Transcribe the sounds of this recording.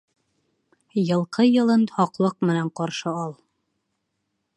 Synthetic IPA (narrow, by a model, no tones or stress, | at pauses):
jɤ̆lˠqɤjɤ̆lˠɤnhɒqlˠɤq̚mɘ̆næɴqɒɾʃɤɒlˠ